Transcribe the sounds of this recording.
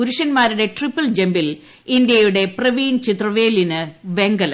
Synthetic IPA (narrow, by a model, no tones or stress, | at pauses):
uɾuʂɐnmaːɾuɽe̞ʈripːɐld͡ʑembil | ind̪jɐjuɽe̞prɐʋiːnt͡ɕit̪rɐʋeːlinɨʋe̞ŋɡɐlɐ